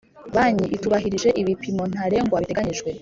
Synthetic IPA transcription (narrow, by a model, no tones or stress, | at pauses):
βaɲiʔituβaɦiɾiʒe̞ʔiβipimo̞n̥aɾe̞ŋɡoβaβite̞ɡaɲiʒɡwe̞